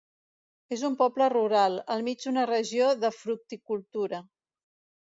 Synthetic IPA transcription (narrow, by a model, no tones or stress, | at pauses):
ezumpɔpləruɾalˠəlˠmid͡ʒd̪unərəʒioðəfɾuk̚t̪ikulˠt̪uɾə